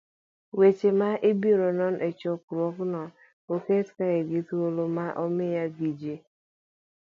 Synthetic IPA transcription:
wet͡ʃemaʔibiɾɔnɔn̩ʔet͡ʃɔkʊɾɔkʊnɔ | oketkaɣeɡituolomaʔɔmejaɡid͡ʒe

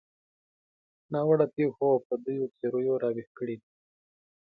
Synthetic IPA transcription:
nɑwaɽapexopəd̪ujot͡seɾojoɾɑwehkəɽed̪i

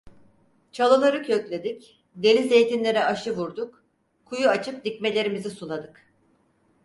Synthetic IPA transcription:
t͡ʃʰalˠɯlˠaɾɯkʰø̞clʲe̞d̪ic | d̪e̞lʲize̞jt̪ʰinlʲe̞ɾɛaʃɯvuɾd̪uk | kʰːujuat͡ʃʰɯp̚d̪ic̚me̞lʲe̞ɾimizisunad̪ɯk

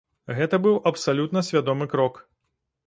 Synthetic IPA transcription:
ɣɛt̪ɐbɨwʔɐpsalʲut̪nɐsʲvʲad̪ɔmɨkɾɔk

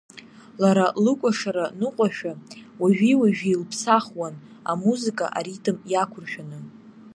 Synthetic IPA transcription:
laɾalɨkʷʼaʂaɾanɨqʷʼaʃᶣawaʒᶣiwaʒᶣijlpʰsaχwan | amuzɨkʼa̰ʔa̰ɾitʰʼɨmjakʷʰʊrʃᶣanɨ

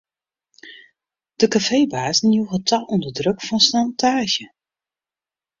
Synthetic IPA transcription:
d̥əkafejbaːzən̩juwɣətʰɔlˠɔndədrøkfɔnsnantʰaːʒjə

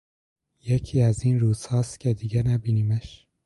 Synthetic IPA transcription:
jecʰiːæzinɾuːzhɑːst̪kʰed̪iɡɛnæbiniːmeʃ

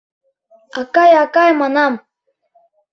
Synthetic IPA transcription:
ɑkɑjɑkɑjmɑnɑm

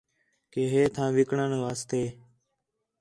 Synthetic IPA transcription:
keːɦeːt̪ʰãːʋɪkɳənʋaːst̪eː

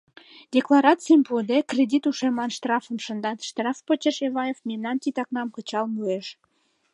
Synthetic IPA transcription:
dʲeklɑɾɑt͡sijəmpuəd̪ekrʲed̪ʲit̪uʃemlɑnʃt̪rɑfəmʃə̆nd̪ɑt̪ʃt̪rɑfpət͡ɕeʃeβɑjefmemnɑnt̪it̪ɑknɑmkət͡ɕɑlmueʃ

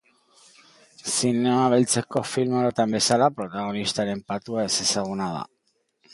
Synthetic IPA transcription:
sine̞maβelt͡se̞ko̞filmoɾot̪ambe̞salapɾo̞t̪aɣ̞o̞nist̪aɾe̞mpat̪uaese̞saɣ̞unað̞a̰

